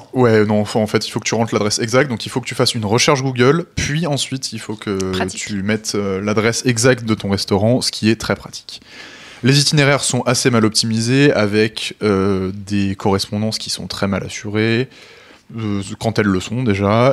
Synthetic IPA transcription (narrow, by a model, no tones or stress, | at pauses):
wɛnɔ̃fɛ̃ɑ̃fɛt̪ilfokə̥t̪yʁɑ̃d̪lad̪ʁɛsɛɡzak̚t̪̚d̪ɔ̃ŋkʲilfokət̪yfasynʁəʃɛʁʃɡuɡœlpɥiɑ̃sɥit̪ʰilfokʰət̪ʰymɛt̪ølad̪ʁɛsɛɡzak̚t̪̚d̪ət̪ɔ̃ʁɛst̪ɔʁɑ̃sə̥kʲʰiɛt̪χɛpχat̪ʰi̥kʲ | lezit̪ineʁɛʁsɔ̃ʔasemalɔp̚t̪imizeavɛkød̪ekɔʁɛspɔ̃d̪ɑ̃skʲi̥sɔ̃t̪χɛma̰lʔa̰syʁe | kɑ̃t̪ɛlːəsɔ̃d̪eʒa